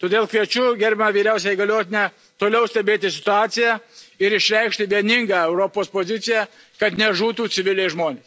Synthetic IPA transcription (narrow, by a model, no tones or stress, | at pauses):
t̪oːd̪ʲeːlˠkʋʲiɛt͡ʃʲʊɡʲɛɾʲbʲɪnɐʋʲiːɾʲæʊsʲɛiːɡɐlʲoːt̪ʲɪnʲɛ | t̪oːlʲɛʊsʲt̪ʲɛbʲeːt̪ʲɪsʲɪt̪ʊɑːt̪sʲɪjæɪɾɪʃʲɾʲɛɪkʃʲt̪ʲɪʋʲiɛnʲɪŋɡɑːɛʊɾoːpoːspoːzʲɪsʲɪjæ | kɐt̪nʲɛʒuːt̪uːɪʋʲɪlʲɛɪʒmoːnʲeːs